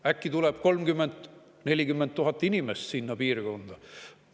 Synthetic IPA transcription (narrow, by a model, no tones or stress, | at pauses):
ækːit̪uleb̥ko̞lmkymːe̞nd̪̥ | ne̞lʲikymːent̪ːuɦɑt̪ːˑinʲimest̪sinːɑpiːrko̞nd̪̥ɑ